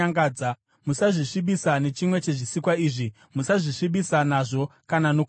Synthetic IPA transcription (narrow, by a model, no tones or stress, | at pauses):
ŋɡaːd͡za | musaʐiʂiɓisane̞t͡ʃimwe̞t͡ʃe̞ʐisikwaiːʐi | musaʐiʂiɓisanaʐo̞kanano̞ku